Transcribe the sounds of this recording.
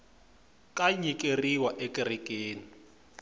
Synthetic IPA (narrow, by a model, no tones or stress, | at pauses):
kʼaɲikʼeriwaʔɛkʼirikʼeːni